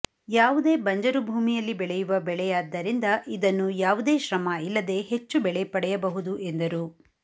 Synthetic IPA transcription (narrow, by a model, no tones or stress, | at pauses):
jaːʋud̪e̞ːbɐɲd͡ʒɐɾubʱuːmijɐlːibɛɭɛjuʋɐbɛɭɛjaːd̪ːɐɾind̪ɐʔid̪ɐnːujaːʋud̪e̞ːʃɾɐmɐilːɐd̪e̞ɦet͡ʃːubɛɭɛpɐɽɛjɐbɐɦud̪uʔend̪ɐɾuː